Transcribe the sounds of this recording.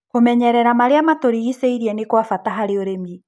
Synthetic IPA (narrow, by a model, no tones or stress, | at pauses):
homɛɲɛɾɛɾamaɾeamatoɾiɣisɛiɾiɛnekwafataɦaɾeoɾeme